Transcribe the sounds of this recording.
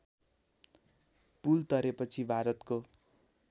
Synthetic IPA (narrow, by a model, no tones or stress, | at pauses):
pult̪ʌɾepʌt͡sʰibʱaɾʌt̪ko